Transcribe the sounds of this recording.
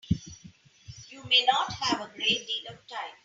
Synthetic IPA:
juːmeːnɔːʈhæʋəɡɾeːʈ̚ɖiːlɔʋʈãɪ̃m

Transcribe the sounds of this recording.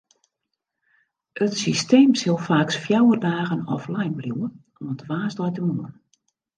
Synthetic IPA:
ətsisteːmsɪlˠfaːksfjawərdaːɣənɔflɛjnbluwən | ɔmətʋaːsdɔjtəmuən

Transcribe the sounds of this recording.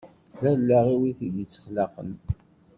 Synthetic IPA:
ðælːæʁiwiθid̪it͡sːə̥χlɑqə̰n

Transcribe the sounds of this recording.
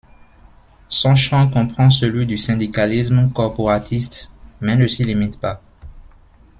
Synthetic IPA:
sɔ̃ʃɑ̃kɔ̃pχɑ̃səlɥid̪ysɛ̃d̪ikalismkɔʁpoʁat̪ist̪mɛnəsilimit̪pa

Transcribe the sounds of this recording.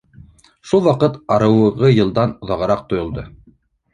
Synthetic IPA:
ʃulˠwɑqɤt̪ɑɾɤ̆wɤ̆ʁɤjɤ̆lˠd̪ɑnŏðɑʁɤ̆ɾɑq̚t̪ŏjŏlˠd̪ɤ

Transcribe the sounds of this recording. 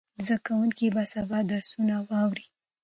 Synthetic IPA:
zd̪akawuŋkibasabɑd̪aɾsunawɑwɾi

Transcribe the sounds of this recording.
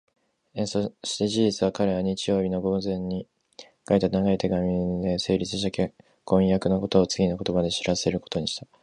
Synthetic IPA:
esoɕi̥t̪e̞ʑiʑit͡sɨβakaɾe̞βaɲ̟it͡ɕijo̞ːbʲino̞ɡo̞zẽ̞ɲ̟ːi | kait̪anaɡait̪e̞ɡamʲid̪e̞se̞ːɾʲit͡sɨɕ̬ake | kõ̞jakɯ̟noko̞t̪o̞ːt͡sɨɡʲinoko̞t̪o̞bad̪eɕiɾase̞ɾɯ̟ko̞t̪o̞ɲ̟iɕi̥t̪a

